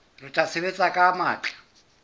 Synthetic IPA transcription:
rɪt͡ʃʼasɪβet͡sʼakʼamaːt͡ɬʼḁ

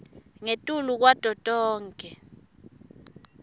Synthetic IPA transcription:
ŋetʼuluk̬wad̥ʱɔtʼɔːŋkʼɛ

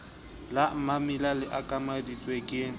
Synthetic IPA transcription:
lamamɪlalɪʔakʼamadit͡sʼwekʼɪ

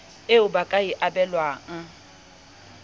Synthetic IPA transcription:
ɪʊbakʼaiʔabɛlwaːŋ̩

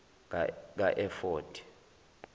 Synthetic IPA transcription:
k̬aʔɛfɔːtʰʼi̥

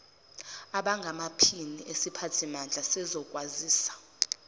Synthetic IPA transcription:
aɓaŋɡʱamapʰiniʔesipʰatʰimand͡ɮʱasɛzɔkʼwaziːsḁ

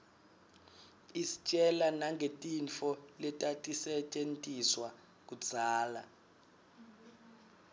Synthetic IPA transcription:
isi̥t͡ʃʼɛlanaŋɡʱetʼint͡fɔlɛtʼatʼisɛt͡ʃʼentʼiswa | k̬ʼud̥d͡z̥ʱaːla

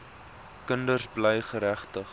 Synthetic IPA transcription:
kəndərsbləjχəɾæχtəχ

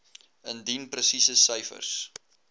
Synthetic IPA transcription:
əndinprəsisəsœjfə̰rs

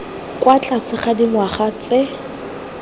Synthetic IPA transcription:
kʼwat͡ɬʼasɪχadiŋwaχat͡sɪ

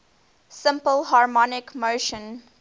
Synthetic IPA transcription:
sɪ̃mpəlhɑɹmɔnɪkmoʊʃə̃n

